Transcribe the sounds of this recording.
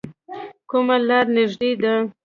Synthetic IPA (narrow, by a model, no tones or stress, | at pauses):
kumalɑɾnɪʒɖ̪ed̪a